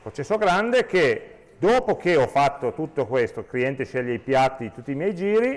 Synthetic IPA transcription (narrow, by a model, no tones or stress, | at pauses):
kot͡ʃːɛsːoɡɾand̪ek̟e | d̪oːpok̟eɔfːat̪ːot̪ut̪ːokwest̪okliɛnt̪eʃɛʎːeipjat̪ːit̪ut̪ːiːmjɛjd͡ʒiːɾi